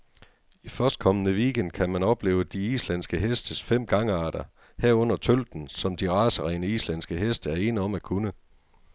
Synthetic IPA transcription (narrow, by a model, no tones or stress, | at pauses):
ifɶɐsd̥̚kʰɒ̽mənəʋiːɡ̥en̰d̥̚kʰæmænɒ̽b̥le̝ːʊəd̥iislæn̰sɡ̥əɦesd̥əsfem̰ɡ̥ɑ̈ŋəɑ̈ːɾ̥ɐ | hæɐ̰ɔ̽n̰ɐt͡sʰøl̰d̥n̩sɒ̽md̥iʁɑ̈ːsəʁɛːnəislæn̰sɡ̥əɦesd̥əæɐe̝ːnəɒ̽mækʰunə